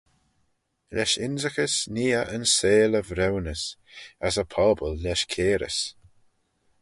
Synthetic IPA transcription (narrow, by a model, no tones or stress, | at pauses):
lɛʃɪnzəxəsniːəʔənseːləvɾɛwnəsasəpʰɔːbəlːɛʃkʰeːɾə̰s